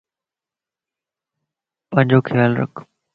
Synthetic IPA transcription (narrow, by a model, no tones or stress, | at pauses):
pə̃ɦɪ̃ɲd͡ʑoːkʰɪjaːlɾə̰kʰ